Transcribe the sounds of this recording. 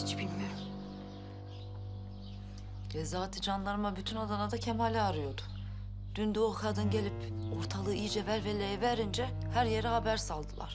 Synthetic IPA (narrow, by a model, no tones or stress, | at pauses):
it͡ʃbilʲmɛ | ɛzaːt̪ʰid͡ʒanlˠaɾmabyt̪ʰynad̪anad̪acʰɛmalʲɛaɾɯjo̞d̪u̥ | d̪̥ynd̪yokʰad̪ɯnɟelʲipoɾt̪ʰalˠɯijd͡ʒɛvæɾvɛlʲejɛvæɾind͡ʒɛ | hæɾjeɾɛhabæɾsalˠd̪ɯlˠa̰ɾ̥